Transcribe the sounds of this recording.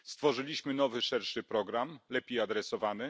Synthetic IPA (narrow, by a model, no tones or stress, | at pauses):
st̪fɔʐɘlʲiɕmɘnɔvɘʂɛɾʂɘpɾɔɡɾamlɛpʲjejad̪ɾɛsɔvanɘ